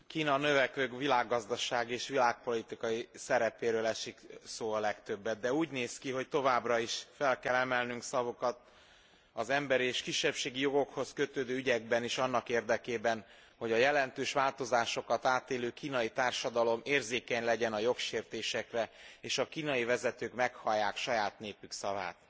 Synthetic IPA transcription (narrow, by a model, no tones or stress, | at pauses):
kiːnɒnø̞vɛkʋøːkvilaːɡːɒzd̪ɒʃaːɡieːʃʋilaːk̚po̞lit̪ikɒjisɛɾɛpeːɾøːlɛʃiksoːɒlɛkt̪ø̞bːɛt̪̚d̪ɛuːɟneːskiɦo̞ct̪o̞vaːbrɒiʃfɛlkɛlɛmɛlnyŋksɒvo̞kɒt̪̚ | ɒzɛmbɛɾieːʃkiʃːɛpʃeːɡijo̞ɡo̞kho̞skø̞t̪øːd̪øːyɟɛɡ̚bɛniʃɒnːɒkeːrd̪ɛkeːbɛn | ho̞ɟɒjɛlɛnt̪øːʃʋaːlt̪o̞zaːʃo̞kɒt̪aːt̪eːløːkiːnɒjit̪aːrʃɒd̪ɒlo̞meːrzeːkɛɲlɛɟɛnɒjo̞kʃeːrt̪eːʃɛkrɛeːʃɒkiːnɒjivɛzɛt̪øːkmɛkhɒjːaːkʃɒjaːt̪neːpyksɒva̰ːt̪̚